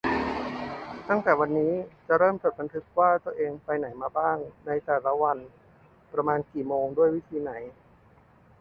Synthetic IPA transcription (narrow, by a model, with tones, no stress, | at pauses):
t̪a˥˩ŋt̪ɛː˨˩wa˧nːiː˦˥t͡ɕa˨˩ʔɾɤː˥˩mt͡ɕo˨˩t̪̚ba˧nt̪ʰɯ˦˥k̚waː˥˩t̪u˧əʔeː˧ŋpa˧jna˩˦jmaː˧baː˥˩ŋna˧jt̪ɛː˨˩la˦˥wa˧n | pɾa˧maː˧nkiː˨˩moː˧ŋdu˥˩əjwi˦˥t̪ʰiː˧na˩˦j